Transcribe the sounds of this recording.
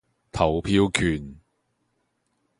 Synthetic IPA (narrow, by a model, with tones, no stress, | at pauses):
t̪ʰɐ˨˩wpʰiː˧˥wkʰyː˨˩n